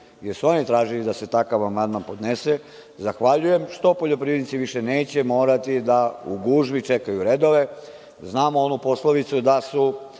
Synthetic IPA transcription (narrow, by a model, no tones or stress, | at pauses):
jeɾsuo̞nit̪ɾaːʒilid̪ase̞t̪akaʋamand̪manpo̞d̪nese | zaxʋaʎuje̞mʃt̪o̞po̞ʎo̞pɾiːdnit̪siʋiʃe̞ne̞ːt͡ɕe̞mo̞ːɾat̪id̪auɡuːʒʋit͡ʃe̞kajuɾe̞d̪o̞ʋe̞ | znaːmoo̞nupo̞sloʋit̪sud̪asu